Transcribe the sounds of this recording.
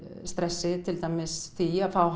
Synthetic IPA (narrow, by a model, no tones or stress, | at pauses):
st̪ɾɛsːɪt̪ʰɪlt̪ajmɪsθiafawɦ